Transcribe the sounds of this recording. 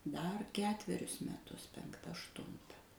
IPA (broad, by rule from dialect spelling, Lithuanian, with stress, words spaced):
dɐr ˈkʲæːtʲʋʲɛrʲʊs mʲɛˈtʊs pʲɛŋkˈtɐ ɐʃˈtʊntɐ